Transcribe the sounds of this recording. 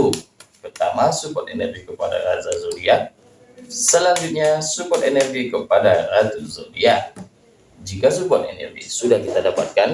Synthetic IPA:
pərt̪amasupɔt̪̚ɛnɛrɡikəpada̰ɾa̰zazodia | səlaɲd͡ʒut̪̚ɲasupɔt̪ɛnɛrɡikəpadarat̪uzodia | d͡ʒikas̬upɔt̪̚ɛnɛ̰rɡḭsudahkit̪adapa̰t̪̚kan

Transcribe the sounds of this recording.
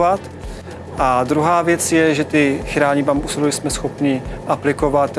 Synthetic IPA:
vat̪ | ʔad̪ɾuɦaːvjɛt͡sjɛʒɛt̪ɪxɾaːɲɪbambusɪluɪsmɛsxo̞pɲɪʔaplɪkovat̪

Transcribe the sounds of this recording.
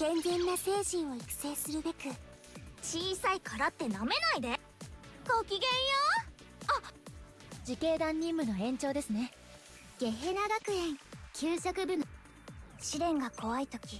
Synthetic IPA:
ɡẽ̞nzẽ̞nːase̞ːɕĩɰ̃o̞ikɯ̟̥se̞ːsɨɾɯ̟be̞kɯ | t͡ɕiːsaikʰaɾat̪ːe̞name̞naid̪e̞ | kokʲiɡẽ̞ɰ̃jo | a | d͡ʑike̞ːd̪ãɲ̟ːĩmbɯ̟no̞ẽ̞ɲ̟t͡ɕo̞ːd̪e̞sɨne̞ | ɡ̥e̞ɦenaɡakɯ̟ẽ̞ŋkʲʰɨːɕakɯ̟bɯ̟no | ɕiɾẽ̞ŋɡako̞ait̪o̞kʲi

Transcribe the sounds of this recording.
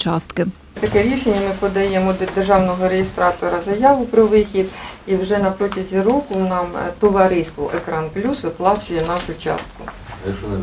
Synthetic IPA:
t͡ʃɑst̪kɪ | t̪ɐkɛɾʲiʃenʲːɐmɪpɔd̪ɐjemɔd̪erʒɑwnɔɦɔɾejest̪ɾɑt̪ɔɾɐzɐjɑʋʊpɾɔʋɪxʲid̪iwʒɛnɐpɾɔtʲɐzʲiɾɔkʊnɑmt̪ɔʋɐɾɪst̪ʋɔ̰ʔekɾɑnplʲusʋɪplˠɑt͡ʃʊjɛnɑʃʊt͡ʃɑ̰st̪̚kʊɐk

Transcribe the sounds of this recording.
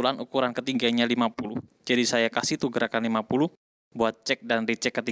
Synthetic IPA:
ulanukuɾankət̪iŋɡaɲalimapulud͡ʒadisajakasɪht̪uɡəɾakanlimapuluh | buat̪̚t͡ʃɛk̚danrit͡ʃɛkːət̪i

